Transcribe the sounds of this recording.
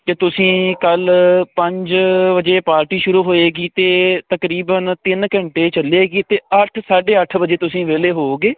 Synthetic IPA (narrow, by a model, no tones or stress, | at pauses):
t̪eːt̪ʊsĩːkəlpəɲd͡ʒʋəd͡ʒeːpaːɾʈiːʃʊɾuːɦoːeːɡiːt̪eːt̪əkɾiːbənt̪ɪnkə̃ɳʈeːt͡ʃəleːɡiːt̪eːəʈʰsaːɖeːəʈʰʋəd͡ʒeːt̪ʊsĩːʋeːleːɦoːɡeː